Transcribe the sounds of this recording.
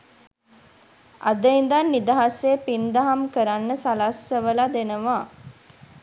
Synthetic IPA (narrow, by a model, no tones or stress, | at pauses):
a̰d̪əind̪anːid̪aɦaseːpind̪aɦamkəɾanːəsalasːəʋəlad̪enəʋa